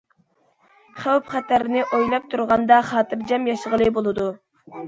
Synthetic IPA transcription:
χæwpχæt̪ʰæɾɪnɪʔojlˠɑp̚t̪ʰuɾʁɑnd̪ɑχɑːt̪ɨɾd͡ʒɛmjɑʃəʁəlˠɨbolˠɨd̪u

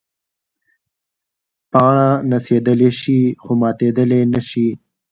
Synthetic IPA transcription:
pɑɳanased̪əleʃixomɑːt̪ed̪əlenaʃi

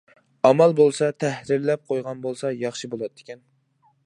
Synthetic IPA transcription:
ɑmælˠbolˠsɑt̪ʰæhɾɪɾlɛp̚qʰojʁɑnbolˠsɑjɑχʃɨbolˠɑd̪ɪ̥kʲɛn

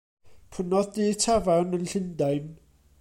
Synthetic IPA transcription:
pʰənɔðditʰavanənɬɪndaɨn

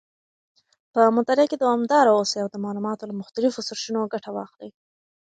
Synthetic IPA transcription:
pəmʊt̪aɾɪked̪oamd̪ɑɾaoseawd̪əmɑlumɑt̪olamʊxt̪alɪfosʊɾʃinoɡaʈawɑxli

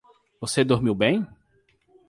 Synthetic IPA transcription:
vosed̪oɾmiwbẽj̃

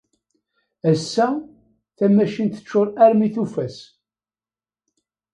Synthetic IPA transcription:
æsːæ | θæmæʃint̪ə̥t͡ʃːʊɾˤæɾmiθufæs

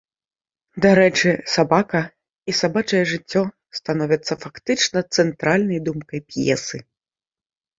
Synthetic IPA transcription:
d̪aɾɛt͡ʂɨsabakɐ | isabat͡ʂɐjɛʐɨt͡sʲːɔ | st̪anɔvʲɐt̪sːɐfakt̪ɨt͡ʂnɐt̪sɛnt̪ɾalʲnɐjd̪umkɐjpjɛ̰sɨ

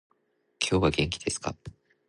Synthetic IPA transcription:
kʲʰo̞ːβaɡẽ̞ŋkʲi̥d̪e̞sɨ̥ka̰

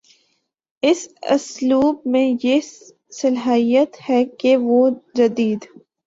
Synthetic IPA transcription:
ɪsʊ̰sluːb̚mẽje | sɪlɦijət̪hɛkeʋod͡ʒɐd̪iːd̪

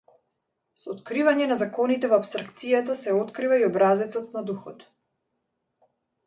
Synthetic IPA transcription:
sɔot̪kɾivaɲɛnazakɔnit̪ɛvoapst̪ɾakt̪sijat̪asɛɔt̪kɾivaiɔbɾazɛt̪sɔt̪̚nad̪uxɔt̪

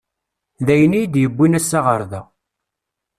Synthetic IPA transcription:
ðæjənijd̪jəbːinæsːaʁəɾðæ

